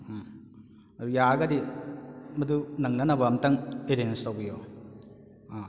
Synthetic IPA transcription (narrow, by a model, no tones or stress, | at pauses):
ɐɾujaɡɐdi | mɐdunɐŋnɐnɐbɐmtaŋeɾenstawbijo | a